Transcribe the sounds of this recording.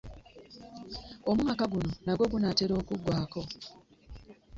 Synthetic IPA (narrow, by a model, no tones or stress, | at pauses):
omuakaɡuno̞naɡwo̞ɡunateɾo̞ːkuɡwaːko̞